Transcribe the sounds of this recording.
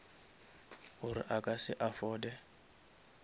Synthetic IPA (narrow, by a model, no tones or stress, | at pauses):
hʊɾɪ̰ʔakʼasɪʔafɔːdɛ